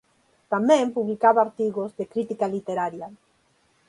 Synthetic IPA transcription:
t̪amẽmpuβlikaβaːɾt̪iɣozðekɾit̪ikalit̪eɾaɾja

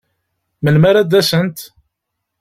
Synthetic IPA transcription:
məlmæɾæd̪æsənt̪

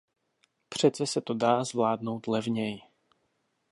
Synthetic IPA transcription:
pr̝̥ɛt͡sɛsɛt̪odaːzvlaːdno̞wt̪lɛvɲɛj

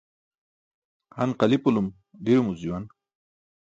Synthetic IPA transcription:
hanqalipulum | d̪iɾumuziwan

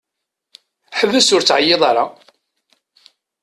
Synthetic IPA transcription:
ħəvːəsʊɾt͡sːʕajːeðˤɑɾˤɑ

